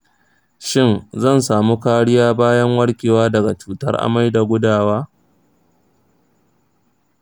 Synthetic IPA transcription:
ʃɪ˦nzɐ˦˨nsaː˨mu˦kaː˦ɽɪ˦jaː˦baː˦jɐ˦ŋwɐ˦ɽkʲeː˨waː˦dɐ˨ɡa˨t͡ʃuː˨tɐ̰˦rʔa̰˨ma˦jda˨ɡʷʊ˦daː˨waː˦

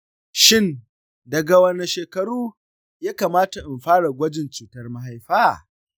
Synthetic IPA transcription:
ʃɪ˦n | dɐ˨ɡa˨wɐ˨na˨ʃeː˨kɐ˨ɽuː˦ | jaː˦kaː˨maː˦ta˨ʔɪ˨mɸaː˦ɽa˨ɡʷɐ˦d͡ʒɪ˨nt͡ʃiː˨tɐ˦rma˦ɦa˦jɸaː˦

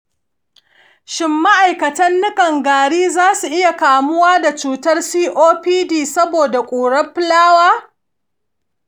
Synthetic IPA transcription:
ʃɪ˦mːa˦ʔa˨jkɐ˨tɐ˦nːʊ˦kɐ˨ŋɡaː˨ɽiː˦zaː˦su˨ʔɪ˦ja˨kaː˨mʊ˦waː˦da˨t͡ʃuː˨tɐ˦rsiː˦ʔoː˦ɸiː˦diː˨sɐ˦boː˨da˨kʷʼuː˨ɽɐ˦ɸɪ˦laː˦waː˦

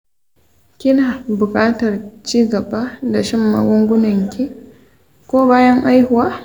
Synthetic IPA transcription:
kʲɪ˦naː˨bʊ˨kʼaː˦tɐ˨rt͡ʃiː˦ɡɐ˨baː˦da˨ʃɪ˦mːa̰˦ɡʷɔ˦ŋɡʷʊ˦nɐ˨ŋkʲi˦ | kʷoː˦baː˦jɐ˦ŋʔa˦jhʊ˨waː˦

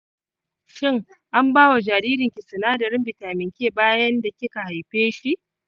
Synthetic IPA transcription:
ʃɪ˦ŋ | ʔa˦mbaː˦wa˨d͡ʒaː˨ɾiː˦ɾɪ˨ŋkʲɪ˨sɪ˨naː˦dɐ˨ɾɪ˦mbɪ˨taː˨mɪ˨ŋkʲeː˦baː˦jɐ˦nda˨kʲɪ˦ka˨ha˨jɸeː˦ʃi˦ʔ

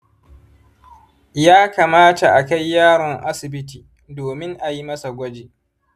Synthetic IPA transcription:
jaː˦kaː˨maː˦ta˨ʔa˨ka˦jːaː˦ɽɔ˨ŋʔa˦sɪ˨bɪ˦t̬iː˨ | doː˨mɪ˦ŋʔa˨ji˦mɐ˦sa˨ɡʷɐ˦d͡ʒeː˨

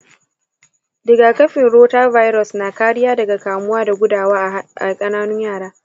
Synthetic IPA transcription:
dɪ˨ɡaː˨kɐ˦ɸɪ˨nɽoː˦taː˦va˦jɾɔ˨snaː˨kaː˦ɽɪ˦jaː˦dɐ˨ɡa˨kaː˨mʊ˦waː˦da˨ɡʷʊ˦daː˨waː˦ʔa˨kʼɐ˦naː˦nʊ˦ɲjaː˦˨ɽaː˦

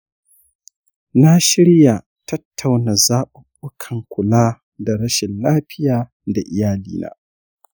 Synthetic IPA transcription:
na˦ʃɪ˦ɽja˨ | tɐ˦tʰːa˨wna˨zaː˦ɓʊ˨ɓʊ˦kʰɐ˨ŋkʷʊ˨laː˦ | da˨ɾɐ˦ʃɪ˨nlaː˦ɸɪ˦jaː˨ | da˨ʔɪ˨jaː˦lḭː˦na̰ː˦

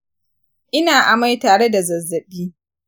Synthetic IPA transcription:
ʔɪ˦naː˨ʔa˨ma˦jtaː˨ɽe˦da˨zɐ˨zːɐ˨biː˦

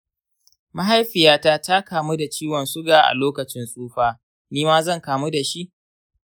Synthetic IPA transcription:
ma˦ɦa˦jɸɪ˨jaː˦taː˦ta˦kaː˨mu˦da˨t͡ʃiː˦wɔ˨nsʊ˦ɡaː˨ʔa̰˨loː˦kɐ˨t͡ʃɪ˦nsʼuː˦ɸaː˦ | niː˦maː˦zɐ˦˨ŋkaː˨mu˦da˨ʃi˦ʔ

